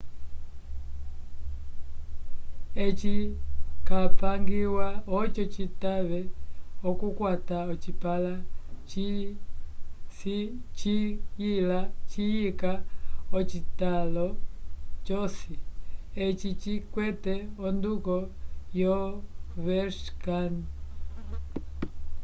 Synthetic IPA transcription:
ɛt͡ʃikapaŋɡiwaɔt͡ʃɔt͡ʃitaβɛɔkukwataɔt͡ʃipalat͡ʃi | sit͡ʃijilat͡ʃijikaɔt͡ʃitalɔ | t͡ʃɔsiɛt͡ʃit͡ʃikwɛtɛɔndukɔjɔvɛʃkan

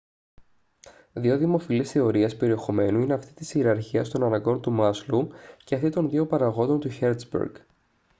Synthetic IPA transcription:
ðioðimo̞filisθe̞o̞ɾiɐspe̞ɾie̞xo̞me̞nuine̞ɐft̪i̥t̪isiɾɐɾçiɐst̪o̞nɐnɐɡo̞ɾt̪umɐsluceɐft̪it̪o̞nðiopɐɾɐɣo̞nd̪ont̪uçeɾt̪sbḛɾɡ

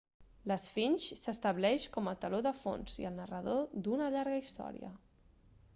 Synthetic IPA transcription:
ləsfinʲʃsəst̪əβlɛʃkɔmət̪əloðəfo̰nzḭəlˠnərəð̞od̪unəʎaɾɣəist̪ɔ̰ɾḭə̰

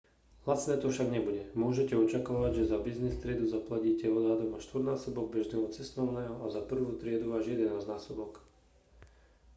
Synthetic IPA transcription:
lat͡snɛːt̪ɔfʃaɡɲɛbuɟɛmʊɔʒɛcɛɔt͡ʃakaːʋaɟʒɛzabiznist̪ɾɪɛd̪uzaplaciːcɛɔd̪ɦad̪ɔmaʃt̪ʋrnaːsɔbɔɡ̚bɛʒnɛːɦɔt͡sɛst̪ɔʊnɛːɦɔazapr̩ʋuːt̪ɾɪɛd̪uʋaːʒjɛd̪ɛnaːznaːsɔbɔk

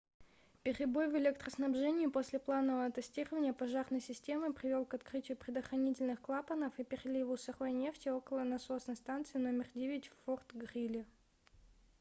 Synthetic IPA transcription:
pʲɪɾʲɪbo̞jvɪlʲek̚t̪ɾəsnɐbʐɛnʲɪjʊpo̞sʲlʲɪplˠanəvəɐt̪ɨsʲtʲirəvənʲɪjəpɐʐarnəjsʲɪsʲtʲe̞mɨpɾʲɪvʲo̞lˠkɐt̪kɾɨtʲɪjʊpɾʲɪd̪əxrɐnʲitʲɪlʲnɨxklˠapənəfipʲɪrʲɪlʲivʊsɐrojnʲe̞ftʲɪo̞kəlˠənɐsosnəjst̪ant̪sɨɪno̞mʲɪrdʲevʲɪtʲfort̪ɡrʲilʲɪ

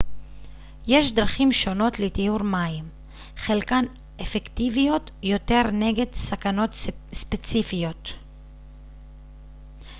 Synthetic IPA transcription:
jeʃd̪ʁaχimʃo̞no̞tlet̪ijuɾmaim | χelkan | efekt̪ivijo̞t | jo̞t̪e̞ʁneɡe̞d̪sakano̞t̪ | spet͡sifijo̞t̪

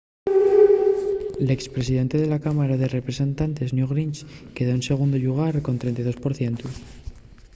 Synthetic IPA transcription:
le̞kspɾe̞siðe̞nt̪e̞ðe̞lakamaɾaðe̞re̞pɾe̞se̞nt̪ant̪e̞znjuɣɾint͡ʃke̞ð̞o̞ense̞ɣ̞und̪oʎuɣ̞aɾko̞nt̪ɾe̞nt̪ajðospo̞ɾθje̞nt̪u

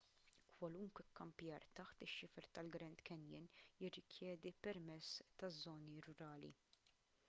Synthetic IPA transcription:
kwɐlʊŋkʷɛkːɐmpjɐːɾt̪ɐħt̪ɪʃːɪfɛɾt̪ɐlɡɾɛnt̪kɛnjɪ̰njɪrːɪkjɛːd̪ipɛɾmɛt͡sːt̪ɐzːɔːniɾʊɾɐːlḭ

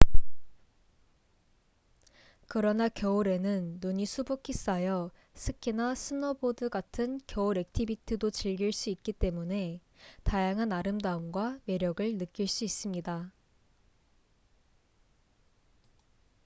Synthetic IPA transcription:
kɯɾʌnakjʌuɾe̞nɯnːuɲisʰubokʰis͈ajʌ | sʰɯkʰinasʰɯnʌbodɯɡatʰɯnkjʌuɾe̞k̚tʰibitʰɯdot͡ɕiɭɡiɭs͈uit̚k͈it͈e̞mune̞ | tajaŋɦanaɾɯmdaɯmɡwame̞ɾjʌɡɯɭnɯk͈iɭs͈uis͈ɯmɲida

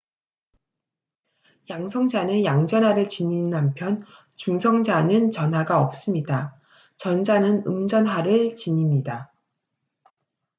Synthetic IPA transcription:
jaŋsʰʌŋd͡ʑanɯnjaŋd͡ʑʌnɦaɾɯɭt͡ɕiɲinampʰjʌn | t͡ɕuŋsʰʌŋd͡ʑanɯnt͡ɕʌnɦwaɡaʌp̚s͈ɯmɲida | t͡ɕʌnd͡ʑanɯnɯmd͡ʑʌnɦaɾɯɭt͡ɕiɲimɲida

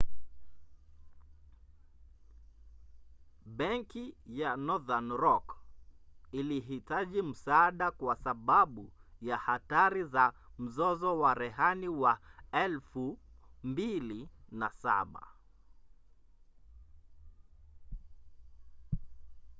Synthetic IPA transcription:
ɓɛŋkijanɔðanɾɔk | iliɦitaʄim̩saaːɗakwasaɓaɓujahataɾizam̩zɔzɔwaɾɛɦaniwaɛlfumbilinasa̰ɓa̰

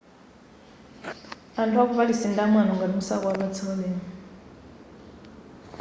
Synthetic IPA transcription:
antʰwak̬uβalisindamanɔŋɡalumusakɔwaβat͡sʰialɛːni

